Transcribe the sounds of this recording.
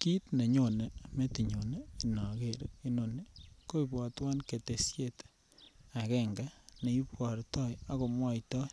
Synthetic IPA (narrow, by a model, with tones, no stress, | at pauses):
ki˦tne˨ɲo˨ne˨me˦ti˨ɲo˨ne˨i˨nɔ˨ke˨ɾi˦no˨ne˨ko˦i˨pwɔ˨twa˦nke˨te˨sje˦˨t | a˨kɛ˦ŋɡa˦ne˨i˦pwɔ˨ɾtɔ˦ja˦ko˨mwɔ˦itɔ˦